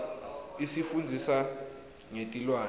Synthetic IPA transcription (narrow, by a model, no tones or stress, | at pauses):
isifund͡zʱisa | ŋetʼilwaː